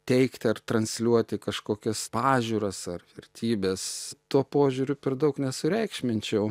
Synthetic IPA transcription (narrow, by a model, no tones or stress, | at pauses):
t̪ʲɛɪkt̪ʲɐrt̪rɐnʲsʲlʲuɔt̪ʲɪkɐʃkoːkʲɛspɑːʒʲuːɾɐsɐrʋʲɛrʲt̪ʲʰiːbʲeːst̪uɔpoːʒʲʊːɾʲʊpʲɛrd̪ɐʊknʲɛsʊɾʲɛɪkʃʲmʲɪnʲt͡ʃʲɛʊ